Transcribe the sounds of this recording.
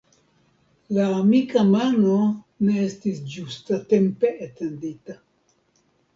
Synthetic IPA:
laːmikamano̞ | ne̞estisd͡ʒustate̞mpe̞atendita

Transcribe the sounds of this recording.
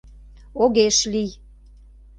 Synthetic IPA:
oɣeʃlij

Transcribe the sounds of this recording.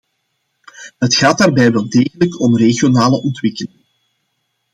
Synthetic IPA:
ɦətxaːtdaːrbɛjʋɛlˠdeːɣələkɔmreɣijonaːləʔɔntwɪkəlɪŋ

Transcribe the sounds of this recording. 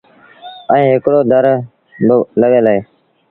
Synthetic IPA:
ə̃ĩːɦɪkɽoːd̪ʱəɾ | ləɠeːlaːeː

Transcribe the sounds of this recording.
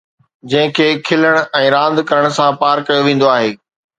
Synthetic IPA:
d͡ʑɐ̃ɦɪ̃kʰeːkʰɪləɽ̃ʊɛ̃ːɾãːnd̪kɐɾəɽ̃sãpaːɾkɐjoʋẽːn̆d̪oaːɦeː

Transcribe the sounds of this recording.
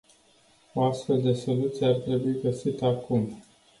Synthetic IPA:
o̞ast̪fe̞ld̪e̞so̞lut̪sijeart̪ɾe̞buiɡəsit̪əakum

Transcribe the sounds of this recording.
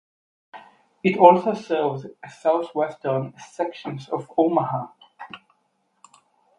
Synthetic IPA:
ɨtɔˑlˠsoʊsɜːvzɨsaʊθwɛstə˞nsɛkʃə̃nzəvoʊməha

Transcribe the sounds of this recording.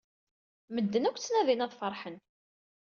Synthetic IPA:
məd̪ːənækʷt͡sːnæðinæðˤfəɾˤħən

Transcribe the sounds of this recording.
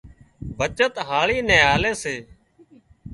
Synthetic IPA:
bʱət͡ʃət̪ɦaːɭiːnɛ̃ːaːleːseː

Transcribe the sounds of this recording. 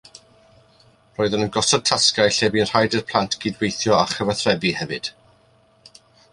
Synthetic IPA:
roːɨðənənɡɔsɔd̚tʰaskajɬɛviənr̥hajdərpʰl̥ˠantʰɡ̥iːdwejθjɔaχəvaθrɛbihɛvɨd̥

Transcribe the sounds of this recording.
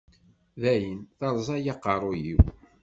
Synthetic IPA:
ðæjənθɑɾˤzˤɑjɑqːɑɾˤojḭw

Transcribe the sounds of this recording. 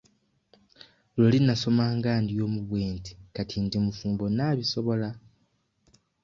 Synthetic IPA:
lolinaso̞maːŋɡaːndijo̞ːmuβweːntʰi̥katʰindimufuːmbo̞naːβiso̞βo̞la

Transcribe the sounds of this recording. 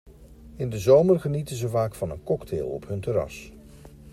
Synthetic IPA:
ɪndəzowmərχənitənzəvaːkfɑnə̰nkɔktʰḛːlˠɔ̰pɦɵntəɾɑ̰s

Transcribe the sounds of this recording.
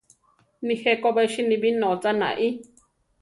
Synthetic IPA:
nĩhekoβeiʃinĩβinõt͡sanã̰ʔĩ

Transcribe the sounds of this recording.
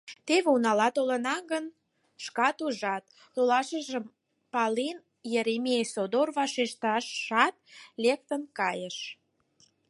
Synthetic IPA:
t̪eβeunɑlɑt̪olənɑɡən | ʃkɑt̪uʒɑt̪̚ | lolɑʃəʒəm | pɑlin | jeɾemʲijesod̪orβɑʃeʃt̪ɑʃɑt̪̚lek̚t̪ənkɑjəʃ

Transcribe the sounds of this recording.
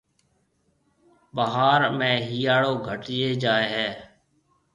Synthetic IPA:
ɓəɦaːɾmẽːɦijaːɽoːɡʱəʈɪjeːd͡ʒaːeːɦɛː

